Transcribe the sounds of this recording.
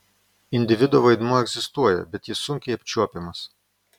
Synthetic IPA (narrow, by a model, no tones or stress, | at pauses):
ɪnʲd̪ʲɪʋʲɪd̪oːʋɐɪd̪muɔɛɡzʲɪst̪uɔjɛ̰bʲɛt̪jɪsʊŋʲkʲɛɪɐpʲt͡ʃʲuɔpʲɪmɐs